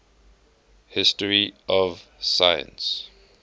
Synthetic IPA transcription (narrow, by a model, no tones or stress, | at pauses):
hɪstəɹiʔɔvsajə̰̃ns